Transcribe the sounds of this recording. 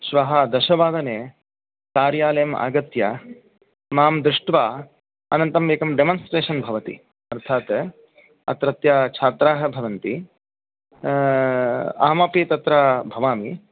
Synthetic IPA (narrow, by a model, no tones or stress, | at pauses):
ʃʋɐɦɐd̪ɐʃɐʋaːd̪ɐneː | kaːɾjaːlɐjɐma̰ːɡɐt̪ja | maːmd̪ɾuʂʈʋaː | ɐ̰nɐnt̪ɐmeːkɐmɖemonsʈɾeːʃɐnbʱɐʋɐt̪ḭ | ɐɾt̪ʰaːt̪ | ɐ̰t̪ɾɐt̪jat͡ʃʰaːt̪ɾaːɦɐ̆bʱɐʋɐnt̪i | a̰ːmɐpit̪ɐt̪ɾabʱɐʋaːmi